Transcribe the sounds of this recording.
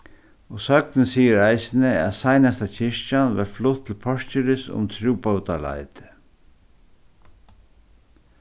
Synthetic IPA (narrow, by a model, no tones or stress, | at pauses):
ɔsœknɪsiːəɾaɪsɪnɪæ̰ðsajnast̪at͡ʃʰɪʂt͡ʃanʋɛɾflʊt̪ʰːɪlpʰɔʂcʏɾɪsʊ̰mt̪ʰɾuːpaut̪ala̰ɪt̪ɪ̥